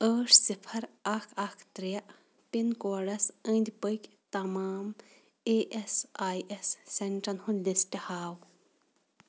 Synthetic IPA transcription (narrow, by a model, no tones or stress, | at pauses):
əːʂsipʰɐɾɐkʰɐkʰt̪ɾijɐʔ | pinkoːɖɐsə̃ːnd̪ʲbəjkʲ | t̪ɐmaːm | eːʔesaːjesːeɳʈɐnhunlisʈihaːw